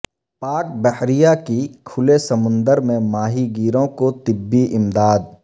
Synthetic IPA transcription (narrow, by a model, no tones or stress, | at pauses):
paːkbɛhɾijakikʰʊlesɐmʊ̃nd̪əɾmẽmaːɦiɡiːɾõkot̪ɪbːiʔɪmd̪aːd̪̚